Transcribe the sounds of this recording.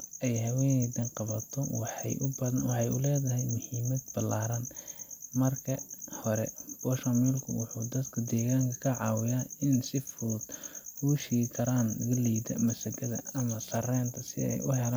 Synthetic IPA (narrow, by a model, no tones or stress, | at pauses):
ɛjɦɐwɛːnɛd̪ɐnqɑβɐt̪ʰɔwɑħɑ̰jʔʊbɐðɐnwɑħɑjʊ̰lɛːðɐɦɛjmʊhiːmɐd̪b̥ɐlaːɾɐn | mɐrkʰɐhɔɾɛ̰b̥ɔːʃɐmilkʰʊ̰wʊ̰ħuːd̪ɐd̪kʰɐd̪ɛːɣaːŋkʰɐkʰɐʕɑːwɪjaːɪnsɪfʊd̪huːʃiːɣɪkʰɐɾaːnlɐɣɐlijd̪ɐ̰mɐsɐɡʰɐðɐ̰ɐmɐsɐrɛːnt̪ʰɐsɪ̰ɛ̰jʔʊhɛlan